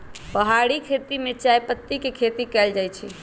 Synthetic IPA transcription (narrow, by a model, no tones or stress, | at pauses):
pəɦaɽikʰet̪imet͡ʃajpət̪ːikekʰet̪ikɛld͡ʒajt͡ʃʰi